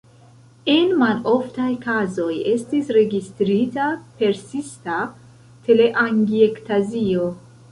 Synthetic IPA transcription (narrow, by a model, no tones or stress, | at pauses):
enmanʔoft̪ajkʰazojest̪isɾeɡist̪ɾit̪apeɾsist̪a | t̪ʰeleʔaŋɡiekt̪ʰazio